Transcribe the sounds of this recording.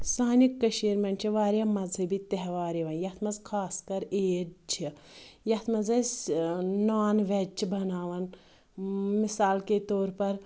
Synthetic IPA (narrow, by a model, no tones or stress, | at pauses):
saːnikːɐʃeːɾmɐɳt͡ʃʰiʋaːɾjamɐzɐbit̪ɐɦʋaːɾiʋɐnjɐt̪ʰmɐzkʰaːskɐɾeːt͡ʃʰijɐt̪ʰmɐzɐsnaːnʋɛt͡ʃʰibɐnaːʋɐn | misaːlket̪oːɾpɐɾ